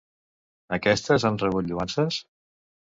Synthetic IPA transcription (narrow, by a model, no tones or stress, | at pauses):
əkɛst̪əzanrəβut̪ʎuansəs